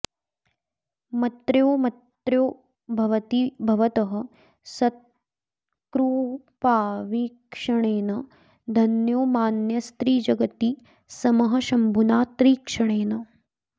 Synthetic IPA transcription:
mɐt̪ɾjoːmɐt̪ɾjoː | bʱɐʋɐt̪ibʱɐʋɐt̪ɐɦɐ̆ | sɐt̪̚ | kɾuː | paːʋikʂɐɳeːnɐ | d̪ʱɐnjoːmaːnjɐst̪ɾiːd͡ʒɐɡɐt̪i | sɐmɐɦɐʃɐmbʱunaːt̪ɾiːkʂɐɳ̃eːnɐ

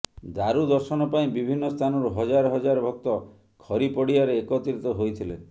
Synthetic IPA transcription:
d̪aɾud̪ɔɾsɔnɔpaĩbibʱinːɔst̪ʰanɔɾuɦɔd͡ʒaɾɔɦɔd͡ʒaɾɔbʱɔk̚t̪ɔ | kʰɔɾipɔɽiaɾeːkɔt̪iɾit̪ɔɦojt̪ʰilḛ

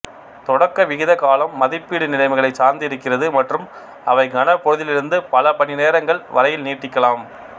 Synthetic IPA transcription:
t̪ɔɽɐkːɐʋɪɣɪðɐkaːlɐmːɐðɪpːiːɽɯnɪlɐɪʋɯɣɐɭɐɪsaːɾnd̪ɪɾɯkːɪrɐðɯmɐʈrɯm | ɐʋɐɪɡɐnɐpɔɻɯðɪlɪɾɯnd̪ɯpɐlɐpɐɳɪneːɾɐŋɡɐɭʋɐ̰ɾɐjɪlniːʈːɪkːɐlaːm

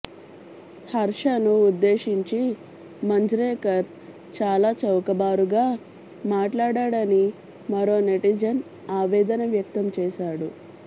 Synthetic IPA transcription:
hɐɾʂɐnuːd̪ːeːʂiɲt͡ʃi | mɐɲd͡ʒɾɛːkɐɾ | t͡ʃaːlaːt͡ʃɐwkɐbaːɾuɡaː | maːʈlaːɽaːɽɐni | mɐɾo̞ːneʈid͡ʒɐn | aːʋɛːd̪ɐnɐʋjɐk̚t̪ɐmt͡ʃɛːʃaːɽu

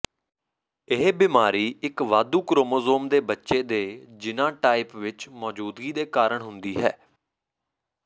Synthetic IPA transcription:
ɪɦbɪmaːɾiːɪkʋaːd̪uːkɾoːmoːzoːmd̪eːbətːʃeːd̪eːd͡ʒɪnãːʈaːɪpʋɪt͡ʃmɔːd͡ʒuːd̪ɡiːd̪eːkaːɾəɳɦʊnd̪iːɦɛ̰ː

